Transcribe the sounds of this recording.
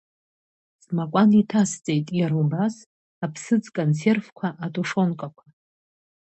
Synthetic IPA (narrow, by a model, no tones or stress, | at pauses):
smakʷʼanitʰast͡sʼe̞jtʼjaɾubas | apʰsɨd͡zkʼont͡se̞rvkʷʰaʔatʼuʂo̞nkʼakʷʰa